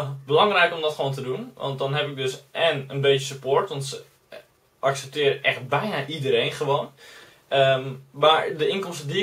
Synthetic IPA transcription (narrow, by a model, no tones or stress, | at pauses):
bəlɑŋrɛjkomdɔtχʋoːntədunʋɑ̰nt̚dɔnɦɛpɪk̚døsʔɛnənbetəsypoːɹtʋɔntsə | ʔaksɛp̚tɪːɾəʔɛxt̚bɛjnaʔidəɾejnχəʋoːn | əmmaɹdəɪnkɔmstədi